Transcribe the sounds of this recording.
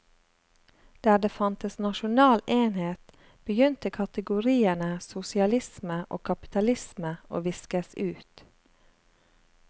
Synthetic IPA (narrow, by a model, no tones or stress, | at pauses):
d̪̥æːd̪eːfɑnt̪əsnɑʃʊnɑːleːnheːt̪ | b̥əjʏnt̪əkʰɑt̪əɡʊɾiːənəsʊsɪɑlɪsməʔo̰ːkʰɑpɪ̥t̪ɑlɪsməʔo̰ːʋɪskəsʉːt̪